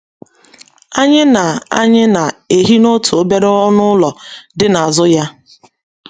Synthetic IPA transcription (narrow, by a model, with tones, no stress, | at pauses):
a˦ɲɪ˦na˨a̰˦ɲɪ˦na˨e˨ɦi˦no˦tu˨o˦be˦ɾe˦ɔ˦nʊ˦lɔ˨dɪ˦na˨a˨zʊ˦ja˦